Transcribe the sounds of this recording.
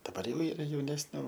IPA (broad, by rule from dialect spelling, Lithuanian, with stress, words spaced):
dɐˈbɐr ˈjɛʊ ˈiːrɐ jɛʊnʲɛsʲˈnʲuː